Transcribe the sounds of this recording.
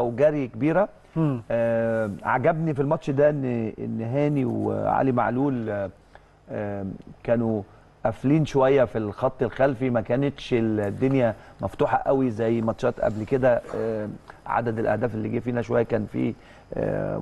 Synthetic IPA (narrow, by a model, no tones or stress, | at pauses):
æwɡæːɾikebiːɾæ | ʕa̰ɡæbnifilmɑt̪ʃd̪æʔenːḛnːɦæːniw̰ʕa̰ːlima̰ʕluːl | kæːnu | ʔæfliːnʃowæjːæfilxɑt̪ˤːelxælfimækæːnet̪ʃeld̪ːonjæmæft̪uːħɑʔæwizæjːmɑt̪ʃɑːt̪ʔæ̰blked̪æ | ʕa̰d̪æd̪elʔæ̰hd̪æːfelːiːɡiːfiːnæʃowæjːækæːnfḭː